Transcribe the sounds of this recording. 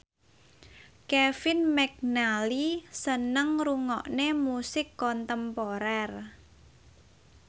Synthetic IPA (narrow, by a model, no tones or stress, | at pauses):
kɛfɪnmɛk̚nalisənəŋruŋɔʔnemusɪkːɔnt̪əmpɔɾɛr